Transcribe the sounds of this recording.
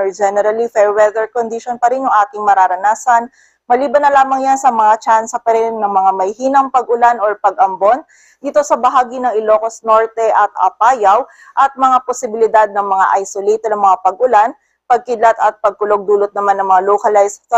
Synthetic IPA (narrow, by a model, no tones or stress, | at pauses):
d͡ʒɛnɛɾɐlifɛɹwɛd̪ɛɹkond̪ɪʃonpɐɾɪnjʊŋʔaːt̪ɪŋmɐɾaːɾɐnaːsɐn | mɐliːbɐnːɐlaːmɐŋjansɐmɐŋat͡ʃansɐpɐɾɪnːɐŋmɐŋamɐjhiːnɐŋpɐɡʔʊlanoɹpɐɡ̚ʔɐmbo̞n | d̪iːt̪o̞sɐbɐɦaːɡinɐŋɪlo̞ːkosno̞ɹt̪ɛʔɐt̪̚ɐ̰paːjɐw | ʔɐt̪̚mɐŋaposɪbɪlɪd̪ad̪̚nɐŋmɐŋa̰ʔajsolejt̪ɛd̪ɐŋmɐŋapɐɡ̚ʊlan | pɐɡ̚kɪd̪lɐt̪ɐt̪̚pɐɡ̚kʊloɡ̚d̪uːlot̪̚nɐmanːɐŋmɐŋalokɐlajsk